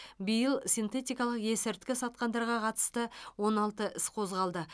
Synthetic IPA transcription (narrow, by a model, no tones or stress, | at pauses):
bijəlˠsʲijnt̪e̞t̪ijkɑlˠəqje̞sɪɾt̪kʲɪsɑt̪̚qɑnd̪ɑɾʁɑqʰɑt̪ə̥st̪əwo̞nɑlˠt̪əʔɪsqʰo̞zʁɑlˠd̪ə